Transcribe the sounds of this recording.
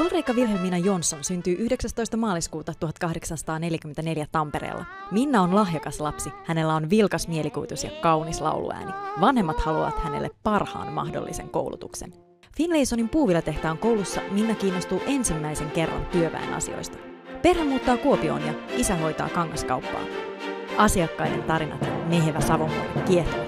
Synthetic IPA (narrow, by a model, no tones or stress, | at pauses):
olrejkːɑʋilɦeminɑjo̞nsːonsynt̪yːʔyhdeksæst̪ojst̪ɑmɑːliskuːt̪ɑt̪uɦɑt̪kɑhde̞ksɑnsɑ̥t̪ɑːne̞ljækymːent̪æne̞ljæt̪ɑmpe̞ɾḛːlːʔɑ̰minːæo̞nlɑɦjokɑslɑpsihæne̞lːæo̞nʋilkɑsmie̞likujt̪usjɑ̰kɑwnislɑ̰wlṵæ̰ːniʋɑnhemːɑt̪hɑlṵʋɑ̰t̪hæne̞̰lːeppɑrhɑ̰ːnmɑ̰hdo̰lːḭse̞̰ŋko̞̰wlut̪ṵkse̞̰n | finlejso̞nimpuːʋilːɑt̪e̞ht̪æːŋko̞wlusːɑ̰minːækiːnːo̞st̪uːʔe̞nsimːæjse̞ŋke̞rːɑ̰nt̪yøʋæ̰ḛnʔɑ̰sḭo̞̰jst̪ɑ̥ | pe̞rhæmuːt̪ːɑːkuopio̞̰ːnjɑisæɦo̞jt̪ɑ̰ːkɑŋːɑskɑwpːɑ̰ːnɑsiɑkːɑjde̞̰nt̪ɑɾinɑ̰t̪ne̞ɦʋæsɑʋomkɑ̰lek̪kie̞t̪oʋæt̪